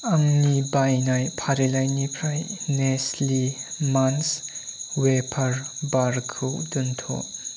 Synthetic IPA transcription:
ʔɐŋnibajnajpʰaɾilajnipʰɾajnɛslimanswepʰɐɾbaɾkʰuwdunt̪ʰɔ̰ʔ

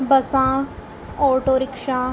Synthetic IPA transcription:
bəsãː | ɔːʈoːɾɪkʃãː

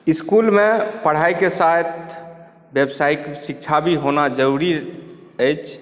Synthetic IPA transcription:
iskulmẽpəɽ̤ajkesat̪ʰ | bjebsaiksik̚t͡ʃʰabʱiɦonad͡ʒəɾuɾiəjt͡ʃʰ

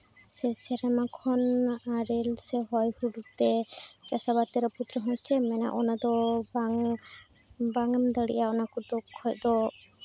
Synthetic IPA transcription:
sɛsɛɾamakʰɔnaɾɛlsɛɦɔjhuɽut̪ɛt͡ʃasabat̪ɛɾɔput̪ɾɔɦɔ̃t͡ʃʰɛmɛna̰ʔɔnad̪ɔ | baŋɛmd̪əɽḭʔjaɔnakɔd̪ɔkʰːɔjd̪ɔ

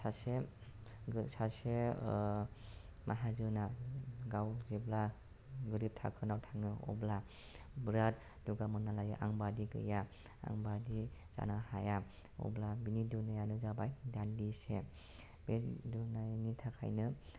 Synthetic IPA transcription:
sase | sase | mʔaɦazɯnaɡawzibla | ɡɯɾip̚tʰa̰kʰɯnawtʰaŋɯɔ̰bla | bɾat̚ | duɡamɔnalajɯʔa̰ŋbadiɡɯ̰ja | a̰ŋbadiz̥a̰nahaja | ɔ̰blabinidunajanɯzabajdandise | bedunanitʰakʰa̰jnɯ

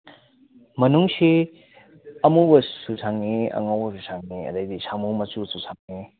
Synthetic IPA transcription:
mɐnuŋsi | ɐmubɐsusʰaŋniɐ̰ŋawbɐsusʰaŋniɐ̰dɐjdisamumɐsususʰaŋni

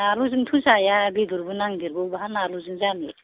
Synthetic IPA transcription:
aluzɯŋtʰusajabiduɾbunaŋd̪iɾɡɔbaɦanaluzɯŋzane

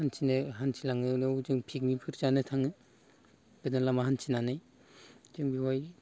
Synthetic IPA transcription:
hansʰinɯɦansʰilaŋɯnɯwzɯŋpʰik̚mipʰɯɾd͡ʒanɯtʰaŋɯ | b̥ɯdɯnlamaɦansʰinanɯj | zɯŋbiwaj

